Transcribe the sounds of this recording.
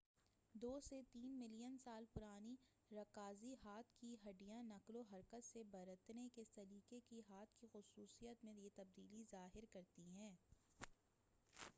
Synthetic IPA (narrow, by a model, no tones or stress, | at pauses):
d̪oːset̪iːnmɪlijənsaːlpʊɾaːni | ɾɐkaːziɦaːt̪ʰkiɦɐɖijãnɐkloɦɐɾkət̪sebɐɾət̪nekesɐɾiːkekiɦaːt̪̚ʰkixʊsuːsijət̪mẽjet̪ɐb̚d̪iːlizaːɦɪɾkɐɾt̪iɦɛ̃ː